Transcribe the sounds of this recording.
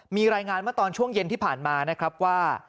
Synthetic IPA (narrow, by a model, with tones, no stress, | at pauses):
miː˧ɾaː˧jŋaː˧nma˥˩t̪ɔː˧nt͡ɕʰu˥˩əŋje˧nt̪ʰiː˥˩pʰaː˨˩nmaː˧na˦˥kʰɾa˦˥p̚waː˥˩